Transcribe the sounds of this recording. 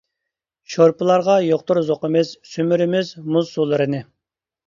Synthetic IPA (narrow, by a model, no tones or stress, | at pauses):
ʃoɾpɨlˠɑɾʁɑjoq̚t̪uɾzoqəmɪzsymyɾɪmɪzmuzsulˠɨɾɨnɨ